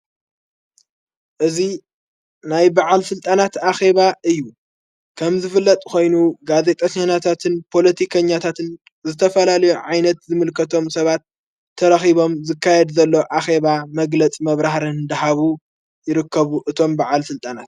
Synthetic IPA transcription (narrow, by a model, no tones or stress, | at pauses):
ʔɨzi | najbaʕalsɨlt̪ʼanat̪axe̞βaʔɨjːu | kʰɐmzɨfɨlːɐt̪ʼkʰo̞jnuɡaze̞t̪ʼɐɲːanat̪ʰat̪ʰɨnpʰo̞lɐt̪ʰikʰɐɲːat̪ʰat̪ʰɨn | zɨt̪ʰɐfɐlalɐjuʕajnɐt̪zɨmɨlkʰɐt̪ʰo̞msɐβat̪ʰː | ɐɾɐxiβo̞mzɨkʰːajɛd̪zɐlːo̞ʔaxe̞βamɐɡlɐt͡sʼmɐβɾahɾɐnɨd̪ɐɦaβu | jɪɾɨkːɐβuʔɨt̪ʰo̞mbaʕalsɨlt̪ʼanat̪̚